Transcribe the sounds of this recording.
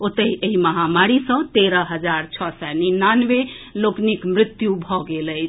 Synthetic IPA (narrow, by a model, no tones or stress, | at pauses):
ot̪əiʔeiməɦamaɾisə̃t̪eɾəɦəd͡ʒaɾt͡ʃʰɔsɛninːanʋeloknikmɾɪt̪jubʱɔɡeləjt͡ʃʰ